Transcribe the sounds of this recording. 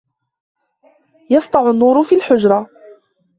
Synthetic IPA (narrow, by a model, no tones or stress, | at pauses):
jɑst̪ˤɑʕʊnːuːɾʊfiːlħʊd͡ʒɾˤɑ